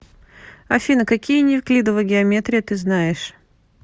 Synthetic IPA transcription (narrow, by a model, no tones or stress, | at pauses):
ɐfʲinəkɐkʲijənʲɪfklʲid̪əvəɡʲɪɐmʲet̪ɾʲɪjət̪ɨznajɪʂ